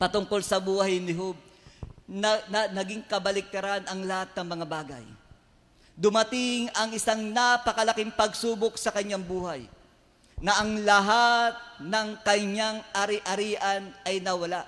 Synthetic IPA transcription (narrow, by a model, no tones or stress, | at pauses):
pɐt̪ʊŋko̞lsɐbuːhɐjnɪɦob̚ | nɐnɐnɐɡɪŋkɐbɐlɪk̚t̪ɐɾanʔɐŋlɐhat̪̚nɐŋmɐŋabaːɡɐ̰j | d̪ʊmɐt̪ɪŋɐŋʔɪsaŋnapɐkɐlɐkɪŋpɐɡsuːbok̚sɐkɐɲːaŋbuːhaj | nɐʔɐŋlɐɦat̪̚nɐŋkɐɲaŋʔɐɾɪʔɐɾiːʔɐnɐjnɐwɐlaʔ